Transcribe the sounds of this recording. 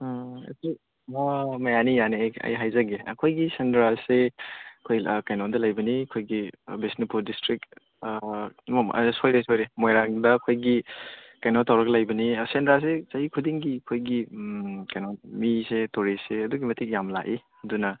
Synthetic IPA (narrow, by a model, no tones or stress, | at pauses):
ɐ̰si | mɐjanijanejɐ̰jɦajzɐɡeɐ̰kʰojɡisendɾaseɐkʰojkajnɔndɐlajbɐnikʰojɡibisnipuɾdistɾik | sojɾesojɾemojɾaŋdɐːkʰojɡikajnotʰawɾɐklajbɐnisendɾas̬esaikʰudiŋɡikʰojɡikajnonmisetoɾiseɐduɡimɐtik̚jamla̰ʔi | dunɐ